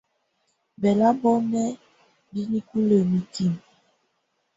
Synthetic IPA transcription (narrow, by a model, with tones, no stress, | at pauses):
bɛ˨la˦bɔ˦nɛ˦ | bi˦ni˦ku˦lə˨mi˨ti˦˨m